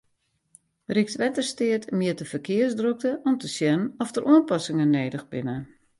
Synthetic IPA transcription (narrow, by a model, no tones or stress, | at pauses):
rik̚tʋɛtərstɪətʰmjɪətəfərkʰɪərsdrok̚təʔɔmtəsjɛnɔftərʔuənpɔsɪŋənːeːdəxbɪnə